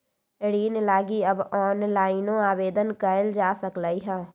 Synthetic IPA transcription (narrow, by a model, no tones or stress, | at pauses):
ɽiːnlaːɡiəbɔːnlaːɪnõaːweːd̪ənkəɪld͡ʒaːsəklaːiɦɛ̃ː